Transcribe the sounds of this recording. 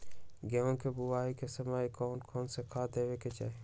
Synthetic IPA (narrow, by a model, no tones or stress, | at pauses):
ɡeõkebʊʋaːikesɐmaːikɔːnkʰoːnsekʰaːd̪eːʋeket͡ʃa̰ːɦe